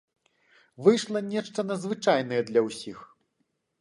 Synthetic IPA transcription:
vɨjʂlˠɐnʲɛʂt̪ɐnɐd̪zvɨt͡ʂajn̪ɐjɛd̪lʲɐwsʲix

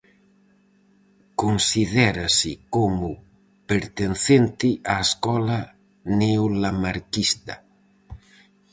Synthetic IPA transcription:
konsiðɛɾasɪkomʊ | peɾt̪enθent̪ɪʔaeskɔla | neulamaɾkist̪ɐ

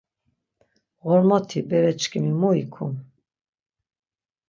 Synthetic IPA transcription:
ɣɔɾmɔt̪ʰibɛɾɛt͡ʃkʰʼimimuikʰum

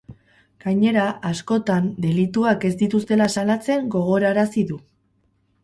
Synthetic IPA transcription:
ɡ̥aɲe̞ɾaasko̞t̪and̪e̞lit̪uake̞zd̪it̪ust̪e̞lasalat͡se̞ŋɡo̞ɣ̞o̞ɾaɾasiðu

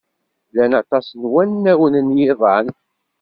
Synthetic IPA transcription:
lænɑt̪ˤɑsnwænːæwənənjɪðˤɑn

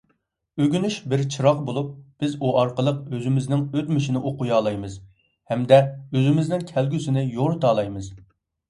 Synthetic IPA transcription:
øɡʲynyʃbɪɾt͡ʃʰɨɾɑqbolˠup̚b̥ɪzuʔɑɾqəlˠəq̚øzymɪznɪŋøt̪mɪʃinɪʔoqʊjɑːlˠɑjmɨz | hɛmd̪ɛøzɪmɪznɪŋkʲʰɛlɡʲysɪnɪjoɾt̪ʰɑːlˠɑjmɨz̥

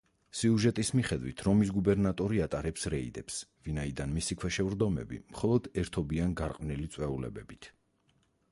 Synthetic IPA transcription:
siuʒɛt̪ʼismiχɛd̪wit̪ʰɾɔmis̬ɡubɛɾnat̪ʼɔɾiat̪ʼaɾɛpsɾɛḭd̪ɛpsvinaid̪anmisikʰwɛʃɛvɾd̪ɔmɛ̰bḭmχɔlˠɔd̪ɛɾt̪ʰɔbianɡaɾqʼvnilit̪sʼwɛulɛ̰bɛbit̪ʰ

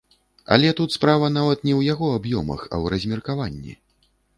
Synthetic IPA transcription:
ɐ̰lʲɛt̪ut̪spɾavɐnavɐt̪nʲɛwjaɣɔabjɔmɐ̰xɐ̰wrɐzʲmʲɛrkavanʲːḭ

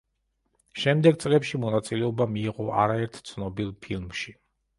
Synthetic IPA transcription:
ʃɛmd̪ɛɡ̚t̪sʼlɛpʃimɔnat̪sʼilɛɔbamiːʁɔʔa̰ɾaɛɾt̪ʰt̪sʰnɔbilˠpʰilˠmʃi

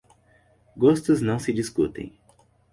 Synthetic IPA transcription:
ɡost̪ʊznɐ̃w̃sɪd͡ʒiskṵt̪ḛ̃j̃

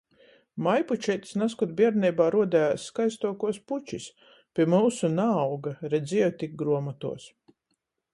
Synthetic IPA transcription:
majput͡ʃɛt̪snaskɔt̪bʲiɛɾnɛjbaːɾuɔd̪æjaːsːkajst̪uɔkuɔsput͡ʃis | pʲiɛmɨwsunaːwɡaɾɛd̪zʲiɛwt̪ʲik̚ɡɾuɔmat̪ṵɔs

